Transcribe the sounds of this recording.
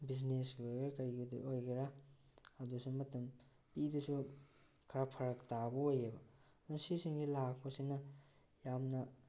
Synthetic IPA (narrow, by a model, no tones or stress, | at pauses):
biznesɡiojɡeɾkɐɾiɡidṵojɡiɾa | ɐdusumɐtɐm | pidusu | kʰɐɾapʰɐɾɐktabɐojebɐ | ɐd̥unɐsisiŋɡilak̚ʰpɐsiŋnɐ | jamnɐ